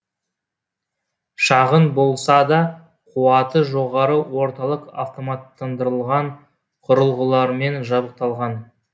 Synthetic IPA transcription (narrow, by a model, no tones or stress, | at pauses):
ʃɑʁənbo̞lˠsɑd̪ɑ | qʰuɑt̪əʒo̞ʁɑɾəwo̞ɾt̪ɑlˠəqa̰ft̪o̞mɑt̪ːɑnd̪əɾəlˠʁɑɴ | qʰʊɾəlˠʁəlˠɑɾme̞nʒɑbəq̚t̪ɑlˠʁɑn